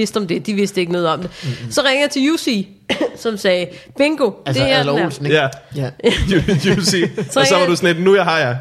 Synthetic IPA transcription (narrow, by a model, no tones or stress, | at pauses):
e̝sd̥ɒ̽md̥e̝d̥iʋe̝sd̥əe̝ɡ̥ənɔ̽ːð̞̩ˠɒ̽md̥e̝sɒ̽ʁaŋəjɑt͡sʰe̝jusi | sɒ̽msɛːb̥eŋɡ̥o̝d̥ehel̰ːsn̩jææjusisɒʋɑ̈d̥usned̥nujɑ̈ɪhɑ̈jɑ